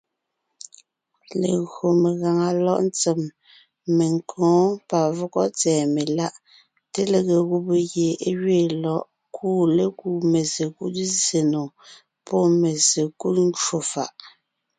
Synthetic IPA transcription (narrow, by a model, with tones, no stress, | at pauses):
le˨ɣɰo˨me˨ɣa˨ŋa˨lɔ˦ʔn˦t͡se˨m | me˨ŋkʰɔ̃ː˨˦pa˨vɔ˦kɔ˦t͡sɛː˨me˨la˦ʔ | te˦le˨ɣe˨ɣu˦pe˨ɣje˨e˦ɣɥeː˦˨lɔ˦˨ʔ | kʰuː˦le˦ku˦˨me˨ze˨kṵ˦t̚ze˨no˨ | pɔ˦˨me˨ze˨ku˦t̚n˦t͡ʃo˨fa̰˨ʔ